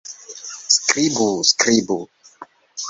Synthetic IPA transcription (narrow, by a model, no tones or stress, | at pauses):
skɾibuskɾibu